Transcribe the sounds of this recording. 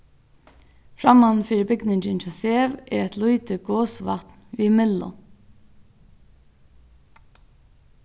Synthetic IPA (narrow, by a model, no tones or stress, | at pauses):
fɹɑmɑnfiːɾəbʏɡnɪnd͡ʒənt͡ʃʰoseːʋʔḛːɹɛt̪ʰlʊʏt̪əɡoːsʋɑ̰t̪nʋiːmɪlʊ̰